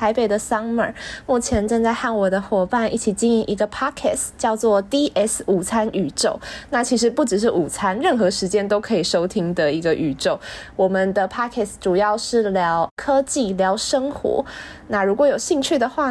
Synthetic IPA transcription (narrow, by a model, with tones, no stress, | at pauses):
a˧˥ɪpe˨ɪd̪ə˨sɑ˥ŋmə̰˨˩mu˥˩t͡ɕʰjɛ˧˥nʈ͡ʂɤ˥˧ŋt͡sa˥˧ɪxa˥˩nwɔ˨˩d̪ə˧xwɔ˨˩pa˥˧nḭ˥˩t͡ɕʰi˨˩t͡ɕi˥˧ni˧˩ŋʔi˧˥ɡə˧pʰa˥kʰɛ̰˥˩st͡ɕjɑ˥˧ʊt͡swɔ˥˩t̪i˥ʔɛ˥su˨˩t͡sʰa˥ny˨˩ʈ͡ʂo˥˩ʊna˥˩t͡ɕʰi˧˥ʂ̬ɻ̩˧˥pu˥˩ʈ͡ʂɻ̩˨˩ʂ̬ɻ̩˥˩ʔu˨˩t͡sʰa˥nɻə˥˩nxɤ˧˦ʂɻ̩˧˥t͡ɕjɛ˥nt̪o˥ʊkʰɤ˧˥i˨˩ʂo˥ʊt̪ʰi˥ŋd̪ə˨i˧˥ɡə˧ʔy˨˩ʈ͡ʂo˥˩ʊwɔ˨˩mə˨nd̪ə˨pʰa˥kʰɛ˥˩sʈ͡ʂu˨˩jɑ˥˧ʊʂɻ̩˥˩ljɑ˧˦ʊkʰɤ˥t͡ɕi˥˩ljɑ˧˥ʊʂə˥ŋxwɔ̰˧˥na˥˩ɻu˧˥kwɔ˧˥˦jo˨˩ʊɕi˥˧ŋt͡ɕʰy˥˩d̪ə˩xwa˥˩